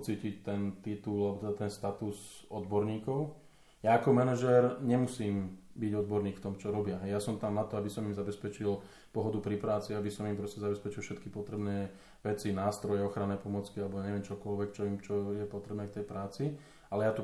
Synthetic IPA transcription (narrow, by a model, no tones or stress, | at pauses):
t͡siːcict̪ɛnt̪it̪ulalɛbɔt̪ɛd̪at̪ɛnst̪at̪usɔd̪bɔɾɲiːkɔʊ | jaːkɔmɛnɛʒɛɾɲɛmusiːmbiɟɔd̪̚bɔɾɲiːkft̪ɔmt͡ʃɔɾɔbɪaɦɛjjasɔmt̪amnat̪ɔabisɔmimzabɛspɛt͡ʃil | pɔɦɔd̪upɾipɾaːt͡siabisɔmimpɾɔscɛzabɛspɛt͡ʃilfʃɛt̪kipɔt̪ɾɛbnɛː | ʋɛt͡sinaːst̪ɾɔjɛɔxɾanɛːpɔmɔt͡skialɛbɔaɲɛʋɛmt͡ʃɔkɔlʋɛkt͡ʃɔimt͡ʃɔjɛpɔt̪ɾɛbnɛːft̪ɛjpɾaːt͡si | alɛjat̪u